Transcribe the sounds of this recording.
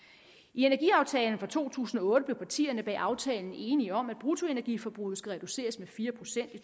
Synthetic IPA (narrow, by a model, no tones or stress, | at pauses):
ie̝næɐɡiɑ̈ʊt͡sʰɛːln̩fʁɑ̈t͡sʰo̝̰ːt͡sʰṵːsn̩ɒ̽ɔ̽ːd̥əb̥le̝ʊpʰɑ̈t͡sʰḭːɐnəb̥ɛ̰ːʔɑ̈ʊt͡sʰɛːln̩e̝ːniɒ̽mæd̥̚b̥ʁut͡sʰo̝e̝næɐɡ̥ḭfɒ̽b̥ʁuð̩ˠsɡ̥æʁɛd̥use̝̰ːɐsmefiːɐpʰʁo̝sen̰d̥i